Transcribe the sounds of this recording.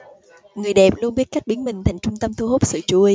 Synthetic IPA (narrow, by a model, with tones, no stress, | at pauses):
ŋɨ˨˩əjɗɛ˨˩p̚lu˧ənɓi˦˥t̚ka˦˥k̟̚ɓi˨˦nmï˨˩ŋ̟t̪ʰa˨˩jŋ̟t͡ɕʊ˧ŋ͡mt̪ə˧mt̪ʰu˧ɦo˦˥p̚sɨ̰˧˨t͡ɕu˧˩